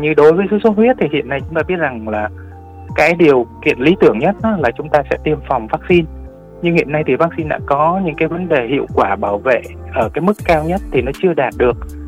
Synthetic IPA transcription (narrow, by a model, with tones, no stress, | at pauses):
ɲɨ˧ɗo˨˦jvəː˨˦jsɨ̰˧˥sə˦˥t̚hwi˦˥ət̚t̪ʰi˨˩hḭ˧˨ənːa˧jt͡ɕʊ˨˦ŋ͡mt̪aː˧ɓi˦˥ət̚za˨˩ŋlaː˨˩ | kaː˨˦jɗi˨˩əwkḭ˨ənli˨˦t̪ɨ˧˩əŋɲə˦˥t̚nɔ˨˦laː˨˩t͡ɕʊ˨˦ŋ͡mt̪aː˧sɛ̰˧˥t̪i˧əmfa˨˩wŋ͡mvaː˦˥k̚si˧n | ɲɨ˧ŋhḭ˧˨əna˧jt̪ʰi˨˩vaː˦˥k̚si˧nɗa̰ː˧˥kɔ˨˦ɲɨ̰˧˥ŋkaː˨˦jvə˨˦nɗe˨˩hḭ˧˨əwkwaː˧˩ɓaː˧˩wvḛ˧˨ʔəː˧˩kaː˨˦jmɨ˦˥kːaː˧wɲə˦˥t̚t̪ʰi˨˩nɔ˨˦t͡ɕɨ˧əɗaː˨˩t̚ɗɨ˨˩ək̚